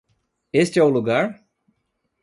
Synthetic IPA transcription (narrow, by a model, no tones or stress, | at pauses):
est͡ʃɛwuluɡaɾ